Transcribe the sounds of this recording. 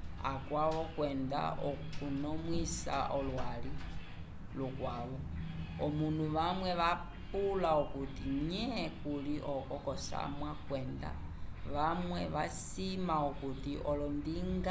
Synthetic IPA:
a̰kwawɔkwɛnda̰ɔkunɔmwisa̰ʔɔlwali | lukwawɔɔmun̤uʋamwɛʋa | pulaɔkutiɲɛkuliʔɔkɔkɔsa̰mwakwɛnda̰ | ʋamwɛʋas | imaɔkutiʔɔlɔmdiŋɡ

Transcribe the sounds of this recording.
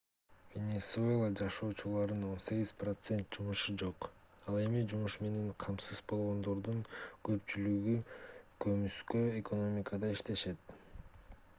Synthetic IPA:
vʲenʲesuelˠəd͡ʒɑʃo̞ːt͡ʃulˠɑɾɯno̞nse̞ɡʲizprot̪se̞nt̪̚d͡ʒumuʃud͡ʒo̞q | ɑlˠe̞mid͡ʒumuʃme̞ne̞ŋqʰɑmsɯzbo̞lˠʁo̞nd̪o̞ɾd̪uŋkʰø̞pt͡ʃylyɡykʰø̞myskø̞eko̞no̞mʲikəd̪ɑiʃt̪e̞ʃe̞t̪

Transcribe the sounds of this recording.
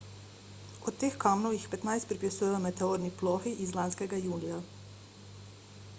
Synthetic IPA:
od̪̚t̪ːiːxkamnoʋixpet̪najst̪̚pɾipjesujɛamet̪eoɾniplˠoxiʔizlˠanskeɡajuːlia

